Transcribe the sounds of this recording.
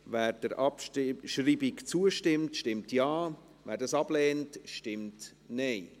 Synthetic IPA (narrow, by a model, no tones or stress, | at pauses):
væːɾd̥əɾɑpʃriːbikt͡suəʃtɪmtʃtɪmtjɑː | væːɾdɑsɑb̥lɛːntʃtɪmt | nɛɪ